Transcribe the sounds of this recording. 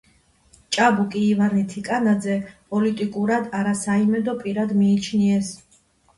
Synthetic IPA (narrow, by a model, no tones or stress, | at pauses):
t͡ʃʼabukʼiːvaɾnit̪ʰikʼanad̪zɛpʼɔlit̪ʼikʼuɾad̪aɾasaimɛd̪ɔpʼiɾad̪miːt͡ʃʰniɛs